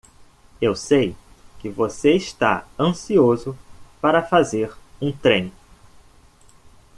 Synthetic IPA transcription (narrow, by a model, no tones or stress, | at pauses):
ewsej | kɪvoseɪst̪a̰ɐ̃siozʊpaɾɐfazeɾũt̪ɾẽj̃